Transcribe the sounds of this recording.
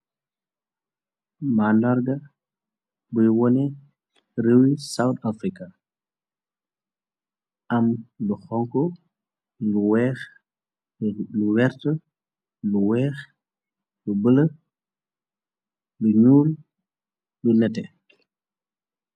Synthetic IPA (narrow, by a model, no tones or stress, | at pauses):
manaɾɡa | bujwɔnɛ | ɾəwisawtafɾika | ʔɐmluxɔŋkɔ | luwɛːx | luwɛɾtə | luwɛːx | lubələ | luɲuːl | lunɛtɛ